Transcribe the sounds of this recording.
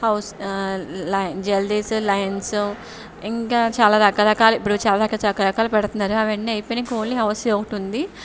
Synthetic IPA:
hɐws | lɐjnd͡ʒeld̪islɐjɐnsu | iŋkaːt͡ʃaːlaːɾɐkaːɾɐkaːlɐipːuɽut͡ʃaːlaːɾɐkːaːt͡ʃɐkːɐɾɐkaːlɐpɛɽt̪unːaːɾuɐʋɐnːiɐjpojnikoːnliɦɐwsɛɔkɐʈund̪i

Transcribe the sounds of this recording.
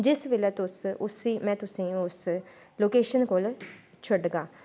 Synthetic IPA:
d͡ʒɪsʋeːlɛːt̪ʊsʊsiːmɛ̃ːt̪ʊsĩːʊs | loːkeːʃənkoːl | t͡ʃʰʊɖɡaː

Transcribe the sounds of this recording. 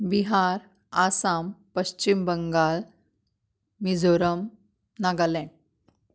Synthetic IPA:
biɦaɾ | asampəɕt͡ɕimbəŋɡal | mid͡zʱoɾəm | naɡalɛ̃

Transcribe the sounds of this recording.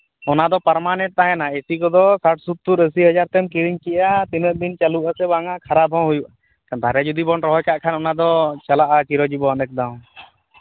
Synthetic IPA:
ɔnad̪ɔpəɾmanɛʈ̚t̪aɦɛnaesikɔd̪ɔsaʈ̚sut̪ːuɾəsiɦəd͡ʒaɾt̪ɛmkiɾiɲkɛʔat̪iməʔ̚d̪int͡ʃaluʔasɛbaŋakʰaɾabʱɔɦujuʔa | kant̪aɾɛd͡ʒud̪ibɔnɾɔɦɔjkaʔkʰanɔnad̪ɔt͡ʃalaʔakiɾɔd͡ʒibɔanɛk̚d̪aw̃

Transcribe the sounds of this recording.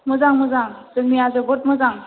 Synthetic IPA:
mɯzaŋmɯzaŋzɯŋmiazɯbɔt̚mɯzaŋ

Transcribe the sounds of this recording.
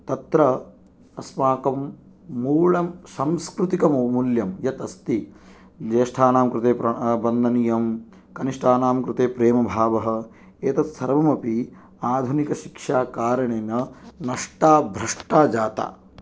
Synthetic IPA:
t̪ɐt̪ɾɐ | ɐsmaːkɐmː | uːɭɐmsamskɾut̪ikɐmmuljɐmjɐt̪ɐst̪i | d͡ʒeːʂʈʰaːnaːmkɾɪt̪eːpɾɐbɐnd̪ʱɐnijɐm | kɐniʂʈʰaːnaːmkɾɪt̪eːpɾeːmɐbʱaːʋɐɦɐ̆ | eːt̪ɐsʰɐɾʋɐmɐpi | aːd̪ʱunikɐʃikʂaːkaːɾɐɳeːnɐnɐʂʈaːbʱɾɐʂʈaːd͡ʒaːt̪a̰ː

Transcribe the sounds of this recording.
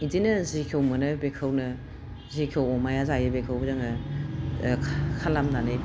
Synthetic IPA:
idinɐzikʰewmɐnɯbekʰawnɐ | zikʰewɔmajazajɯbekʰawzaŋɐ | kʰalamdane

